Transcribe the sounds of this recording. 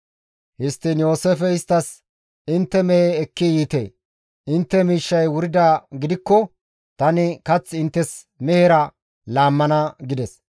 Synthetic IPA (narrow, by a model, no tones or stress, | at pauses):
hɪst̪ːɪnjo̞ːsefɛɪst̪ːɐs | ɪnt̪ːɛmɛeːkːɪjiːt̪ḛː | ʔɪnt̪ːɛmiːʃːɐjwʊɾɪd̪aːɡɪd̪ɪkːɔ | t̪ɐnɪkɐt͡sːɪnt̪ːɛs | mɛhɛɾɐ | laːmːɐnɐɡɪd̪ɛs